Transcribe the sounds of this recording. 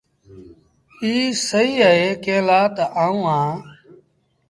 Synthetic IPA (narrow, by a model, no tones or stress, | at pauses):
iːsəiːəɦeːkeːlaːt̪aːũːɦãː